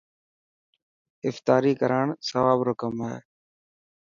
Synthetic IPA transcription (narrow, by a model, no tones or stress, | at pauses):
ɪft̪aːɾiːkəɾaːɳsəʋaːbɾoːkəmaḛː